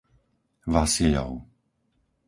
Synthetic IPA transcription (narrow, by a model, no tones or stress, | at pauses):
ʋasiʎɔ̰ʊ